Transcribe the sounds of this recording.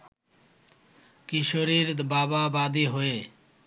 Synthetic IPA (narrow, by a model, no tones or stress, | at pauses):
kiʃoɾiɾbababad̪iɦoe